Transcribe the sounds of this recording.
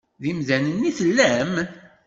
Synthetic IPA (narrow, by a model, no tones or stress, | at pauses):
ðimðænənːiθəlːæm